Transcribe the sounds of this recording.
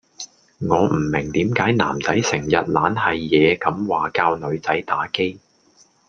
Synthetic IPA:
ŋɔː˨˧m̩˨˩mɪ˨˩ŋt̪iː˨˥mkaː˨˥jna̰ː˨˩mt͡sɐ˨˥jsɪ˨˩ŋjɐ˨t̚laː˨˥nɦɐ˨jːɛː˨˧kɐ˨˥mwaː˨kaː˧wnɵ˨˧ɥt͡sɐ˨˥jt̪aː˨˥ke˥j

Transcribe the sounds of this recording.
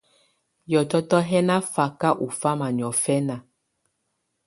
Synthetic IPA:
jɔ˨tɔ˦tɔ˦ɦɛ˦na˦fa˦˨ka˦ʔu˨fa˦ma˨ni˨ɔ˨fɛ˦na˨

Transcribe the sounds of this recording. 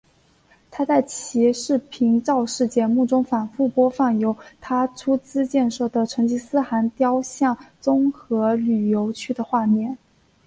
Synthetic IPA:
t̪ʰa˥t͡sa˥˩ɪt͡ɕʰi˧˥ʂɻ̩˥˩pʰi˧˥ŋʈ͡ʂɑ˥˧ʊʂɻ̩˥˩t͡ɕjɛ˧˥mu˥˩ʈ͡ʂʊ˥ŋfa˨˩nfu˥˩pwɔ˥fɑ˥˩ŋjo˧˥ʊt̪ʰa˥ʈ͡ʂʰu˥t͡sɹ̩˥t͡ɕjɛ˥˧nʂɤ˥˩d̪ə˩ʈ͡ʂʰɤ˧˥ŋt͡ɕi˥˩sɹ̩˥xa˧˥nt̪jɑ˥ʊɕjɑ˥˩ŋt͡sʊ˥ŋxɤ˧˥ly˨˩jo˧˥ʊt͡ɕʰy˥d̪ə˨xwa˥˧mjɛ˥˩n

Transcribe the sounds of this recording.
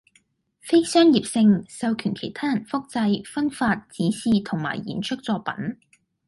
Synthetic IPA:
fe˥jsœː˥ŋjiː˨p̚sɪ˧ŋsɐ˨˧wkʰyː˨˩nkʰe˨˩jt̪ʰaː˥jɐ˨˩nfʊ˥k̚t͡sɐ˧jfɐ˥nfaː˧t̚t͡siː˨˥siː˨t̪ʰʊ˨˩ŋma̰ː˨˩jːḭː˨˩nt͡ʃʰɵ˥k̚t͡sɔː˧pɐ̰˨˥n

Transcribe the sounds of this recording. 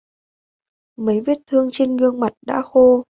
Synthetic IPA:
mə˨˦jvi˦˥t̚t̪ʰɨ˧əŋt͡ɕe˧nɣɨ˧əŋma˨˩t̚ɗa̰ː˧˥xo˧

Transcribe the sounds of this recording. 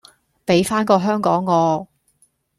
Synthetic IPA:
pe˨˥jfaː˥nkɔː˧ɦœː˥ŋkɔː˨˥ŋːɔː˨˧

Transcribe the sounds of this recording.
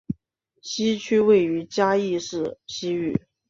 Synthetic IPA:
ɕi˥t͡ɕʰy˥we˥˩ɪy˧˥t͡ɕja˥i˥˧ʂɻ̩˥˩ɕi˥y˥˩

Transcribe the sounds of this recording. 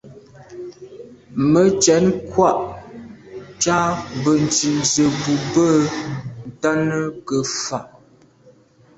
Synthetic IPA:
mə˨˦t͡ʃɛ˨˦nkwa˦ʔ | t͡ʃa˦bə˨n˨t͡ʃi˨nzə˨bu˨bə˦˨n̩˨ta˦nə˦kə˨fa˨ʔ

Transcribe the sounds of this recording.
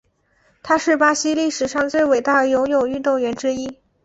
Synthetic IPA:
t̪ʰa˥ʂɻ̩˥˩pa˥ɕi˥li˥˩ʂɻ̩˨˩ʂɑ˥˧ŋt͡swe˥˩ɪwe˨˩ɪt̪a˥˩d̪ə˩jʊ˧˥ʊjo˨˩ʊy˥˧t̪ʊ˥˩ŋɥɛ˧˥nʈ͡ʂɻ̩˥i˥

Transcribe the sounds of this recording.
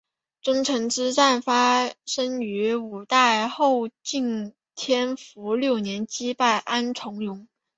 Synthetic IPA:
ʈ͡ʂʊ˥ŋʈ͡ʂʰɤ˧˥ŋʈ͡ʂɻ̩˥t͡sa˥˩nfa˥ʂɤ˥ŋy˧˥u˨˩t̪a˥˧ɪxo˥˧ʊt͡ɕi˥˩ŋ | t̪ʰjɛ˥nfu˧˥ljo˥˩ʊnjɛ˧˥nt͡ɕi˥pa˥˩ɪʔa˥nʈ͡ʂʰʊ˧˥ŋjʊ˧˥ŋ

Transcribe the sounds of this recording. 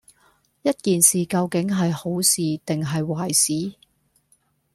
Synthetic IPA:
jɐ˥t̚kiː˨nsiː˨kɐ˧wkɪ˨˥ŋɦɐ˨jho˨˥wsiː˨t̪ɪ˨ŋɦɐ˨jwaː˨˩jsiː˨˥

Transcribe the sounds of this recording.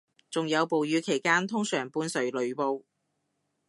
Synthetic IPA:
t͡sʊ˨ŋjɐ˨˧wpo˨wjyː˨˧kʰe˨˩jkaː˥nt̪ʰʊ˥ŋsœː˨˩ŋpuː˧nsɵ˨˩ɥlɵ˨˧ɥpo˧w

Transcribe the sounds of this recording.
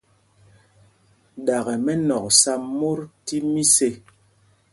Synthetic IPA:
ɗa˨ɣɛ˨mɛ˦nɔ˨k̚sa˦mːo˦ɾti˦mi˦se˦

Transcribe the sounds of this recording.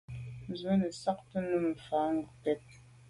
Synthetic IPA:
n˨zwə˦nə˨sa˦k̚tə˦nə˦˨m̩˨faː˨˦ŋɡu˨pɛ˦t̚

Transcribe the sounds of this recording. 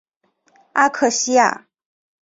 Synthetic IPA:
a˥kʰɤ˥˩ɕi˥ja̰˥˩

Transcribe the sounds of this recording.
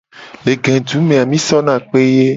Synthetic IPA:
le˨ɡɛ̃˨d͡ʒu˨˦mẽ˨a˨mĩ˦sɔ˦nã˦˨k͡pe˦je˦

